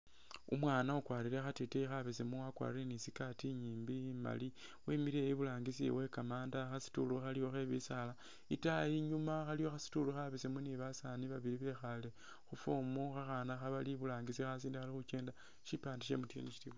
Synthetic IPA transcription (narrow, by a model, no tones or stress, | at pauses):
ṵmwaːnaukwaːɾiɾexateteixaβesemuakwa̰ɾiɾenisikatiɲiːmbima̰li | wemiɾeiβulaːŋɡisḭwe̞kamaːndaxasi̥tuluxalijo̞xeβisala | itajiɲumaxalijo̞xasi̥tuluxaβesemuniβasaniβaβiɾiβe̞xale | xufomuxaxanaxaβaliβulaːŋɡisixas̬iːndixalixut͡ʃeːnda | ʃipaːndiʃemutiḛniʃi̥tiβ